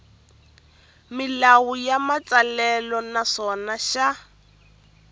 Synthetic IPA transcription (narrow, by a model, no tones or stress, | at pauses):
mɪlawujamat͡salɛlɔnasɔnaʃa